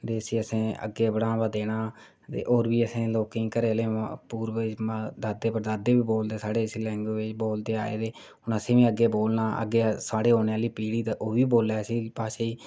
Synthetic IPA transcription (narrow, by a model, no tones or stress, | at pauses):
d̪eːsiːəsẽːə̰ɡeːbəɽãːbaːd̪eːɽaː | t̪ḛːʔoːɾʋiːəsẽːloːkẽːkəɾeːleːpuːɾʋmad̪aːd̪eːpəɾd̪aːd̪eːʋiːboːld̪eːsaːɽeːsilɛ̃ːŋɡoːʋɪt͡ʃboːld̪eːa̰ːḛːt̪eː | ʊnəsẽːʋĩːəɡːeːboːlnãːə̰ɡːeːsaːɽeːɦoːneːaːliːpiːɽiːt̪ːʔoːʋiːboːlɛːsiːpaːʃeːiː